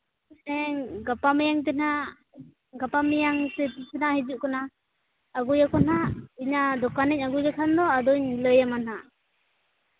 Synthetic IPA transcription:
ɛŋɡapamɛjaŋt̪ɛna | ɡapamijaŋt̪ɛt̪isɛnahid͡ʒuʔkanaː | ɡujakɔnaiɲad̪ɔkanɛɲ̚aɡujakʰand̪ɔad̪ɔɲləjamana

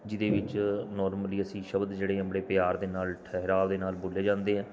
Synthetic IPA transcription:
d͡ʒɪd̪eːʋɪt͡ʃnɔːɾməliːəsĩːʃəbd̪d͡ʒeːɽeːəbɽeːpɪjaːɾd̪eːnaːlʈʰɛɦɾaːld̪eːnaːlbʊleːd͡ʒãːnd̪eːɦɛ̃ː

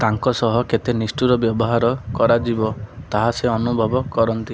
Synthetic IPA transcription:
t̪aŋkɔsɔɦɔket̪enisʈuɾɔbjɔbɔɦaɾɔkɔɾad͡ʒibɔt̪aɦaseɔnubʱɔbɔkɔɾɔnt̪i

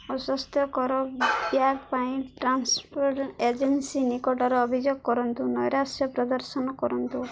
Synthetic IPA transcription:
ɔsɔst̪ʰjɔkɔɾɔbjaɡpaĩʈʈɾanspʰɔɾʈed͡ʒensinikɔʈɔɾeɔbʱid͡ʒoɡkɔɾɔnt̪unɔjɾasjɔpɾɔd̪ɔɾsɔnɔkɔɾɔnt̪u

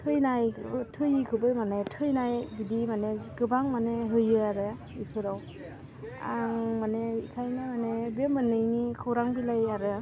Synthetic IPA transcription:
tʰɯjnajtʰɯjɯkʰɯbɯmanetʰɯjnajbidimaneɡɯbaŋmaneɦɯjɯaɾɯ | ipʰɯɾaw | a̰ŋmaneikʰajnɯmanebemɯnɯjnikʰɯwɾaŋbilajaɾɯ

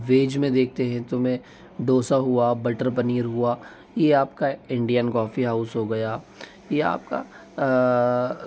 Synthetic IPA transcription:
ʋeːd͡ʒmẽd̪eːk̚ʰt̪eɦɛ̃t̪omẽ | ɖoːsaɦuabɐʈəɾpɐniːɾɦua | jeaːpkaɪ̃ɳɖijənkɔːfiɦaːʊsɦoɡɐjaː | jea̰ːp̚ka̰

